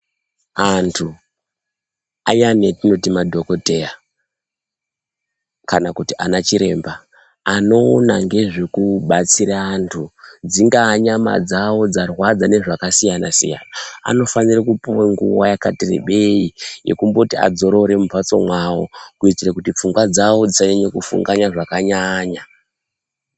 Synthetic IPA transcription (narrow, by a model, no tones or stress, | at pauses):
antʰu | ajanetino̞timadʱo̞kote̞ja | kanakutianat͡ʃiɾe̞ːmbaː | no̞ːnaŋɡe̞ʐekuɓat͡siɾaːntʰud͡ziŋɡaːɲama̰d͡zawo̞d͡zarwad͡zane̞ʐakasijanasḭja̰naa̰no̞fanirakupuweŋɡṵwa̰jakatirḛɓe̞ije̞̰kumbotia̰d͡zo̞ɾo̞ɾe̞mupat͡so̞̰mwawo̰kuit͡sirakutip͡fuŋɡwad͡zawo̞d͡zisaɲaɲekufṵŋɡaɲaʐakaɲaɲa